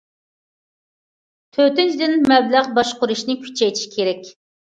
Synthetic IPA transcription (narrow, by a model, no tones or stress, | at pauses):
t̪ʰøt̪ɪd͡ʒd̪ɪnmɛblæʁbɑʃqʊɾuʃnɪkʲʰy̥t͡ʃʰɛjt̪ʰɪ̥ʃi̥kʲʰeɾɛkʲ